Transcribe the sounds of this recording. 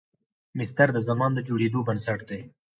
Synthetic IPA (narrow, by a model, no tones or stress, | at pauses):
mɪst̪əɾd̪əzamɑnd̪əd͡ʒoɽed̪obɐnsaʈd̪ej